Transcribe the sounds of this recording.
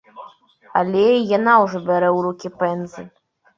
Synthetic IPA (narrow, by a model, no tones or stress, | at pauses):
a̰lʲɛijanawʐɔbʲɛɾɛwɾukʲipɛnzɨ